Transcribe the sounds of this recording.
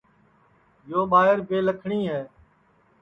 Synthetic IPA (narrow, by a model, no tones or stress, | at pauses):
joːɓaːɦɪɾbeːləkʰɳiːɦɛː